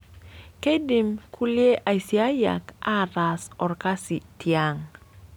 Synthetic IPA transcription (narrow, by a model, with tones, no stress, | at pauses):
ke˦di˨mkʰu˦lje˦ʔa˨jsi˨a˦ja̰˨ka˦ɾa˨sɔ˨rka˦si˨tja˨ŋ